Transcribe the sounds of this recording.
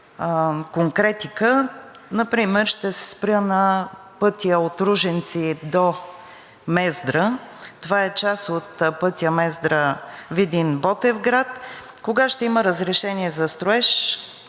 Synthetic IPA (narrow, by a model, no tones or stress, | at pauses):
koŋkɾɛt̪ikə | nɐpɾimɛɾʃt̪ɛsɛ̥spɾʲənɐ | pɤt̪ijəot̪ɾuʒɛnt̪sid̪o | mɛzd̪ɾət̪ovaɛt͡ʃasot̪pɤt̪ʲiəmɛzd̪ɾəvid̪inbɔt̪ɛvɡɾat̪ | koɡaʃt̪ɛiməɾəzɾɛʃɛniɛzɐst̪ɾoɛʃ